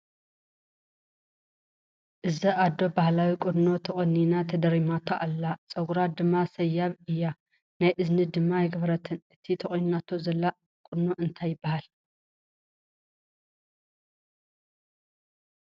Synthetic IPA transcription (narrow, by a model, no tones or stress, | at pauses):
ʔɨziʔad̪o̞bahlawikʼʊd̪not̪ʰɐχʼɐninat̪ʰɐd̪ɐɾimat̪ʰoʔalːat͡sʼɐɡuɾad̪ɨmːasɐjːaβɨjːa | najʔɨznɨd̪ɨmːajɪɡɐβɾɐt̪ʰɨnʔɨt̪ʰit̪ʰɐχʼonunat̪ʰozɐlːa | kʼʊd̪noʔɨnt̪ʰajːɪbːahal